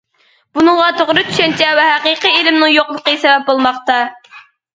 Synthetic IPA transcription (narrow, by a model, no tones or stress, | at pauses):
b̥unɨŋʁɑt̪ʰoʁɾɨt̪ʰy̥ʃɛnt͡ʃʰɛwɛɦæqiqielɪmnɪŋjoqlˠəqəsɛvɛp̚bolˠmɑχt̪ɑ